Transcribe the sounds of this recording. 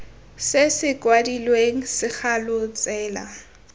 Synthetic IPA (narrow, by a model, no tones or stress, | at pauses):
sɪsɪkʼwadilweŋ̩sɪk͡xʰalʊt͡sʼɛːla̰